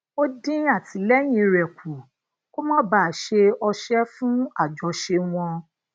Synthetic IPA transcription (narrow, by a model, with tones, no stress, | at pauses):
o˦dĩ˦a˦˨ti˨lɛ˦j̃ĩ˧˦ɾɛ˨kʰu˨ | ko˦mɔ̃˦baː˦˨ʃe˧ɔ˧ʃɛ˦fũ˦a˦˨d͡ʒɔ˨˧ʃe˧w̃ɔ̃˧